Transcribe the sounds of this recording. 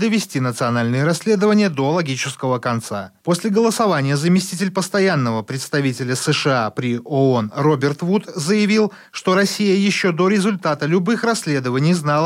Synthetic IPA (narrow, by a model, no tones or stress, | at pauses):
d̪əvʲɪsʲtʲinət̪sɨɐnalʲnɨjəɾɐsʲlʲe̞d̪əvənʲɪjəd̪o̞lˠɐɡʲit͡ɕɪskəvəkɐnt̪sa̰posʲlʲɪɡəlˠəsɐvanʲɪjəzəmʲɪsʲtʲitʲɪlʲpəst̪ɐjanːəvəpɾʲɪt̪st̪ɐvʲitʲɪlʲəsəʂɨapɾʲɪʔoo̞nro̞bʲɪrt̪vut̪zəjɪvʲilˠ | ʂt̪oɾɐsʲijəjɪɕːod̪o̞ɾʲɪzʊlʲt̪at̪əlʲʊbɨxrɐsʲlʲed̪əvənʲɪjznalˠə